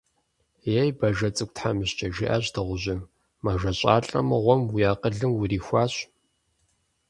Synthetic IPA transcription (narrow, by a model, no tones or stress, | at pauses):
jejbɐʒɐt͡sʼɨkʷʼtħamɨɕt͡ʃʼɐʒiʔa̰ɕdʰɐʁʷʊʑɪm | maːʒʷɐɕʼaːɬʼɐmɨʁʷɔmwijaːqəɮɨmwʊɾiːxʷɑːɕ